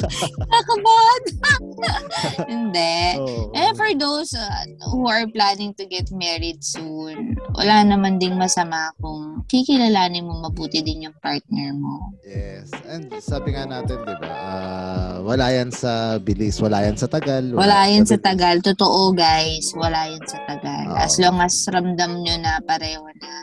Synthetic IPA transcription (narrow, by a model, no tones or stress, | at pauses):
ɐkɐbad̪̚ | hɪnd̪ɛʔɛfɔɹd̪owsɐ | huɐɹplanɪŋt̪ʊɡɛt̪mɛɹɪd̪̚sunwʔɐ̰lanɐmand̪ɪnmɐsɐmakʊŋkikɪlalaːnɪmoŋmɐbuːt̪ɪd̪ɪnjʊŋpaɹt̪̚nɛɹmojɛsʔɛnd̪̚saːbɪŋanaːt̪ɪnd̪ɪba̰ʔawɐlaːjɐnsɐbɪliswɐlaːjɐnsɐt̪ɐɡalwɐlaːjɐnsɐt̪ɐɡɐlt̪ot̪oʔoɡajswɐlaːjɐnsɐt̪ɐɡa̰lʔɐ̰sloŋɐsɾɐmd̪ɐmɲonɐpɐɾɛːhonɐ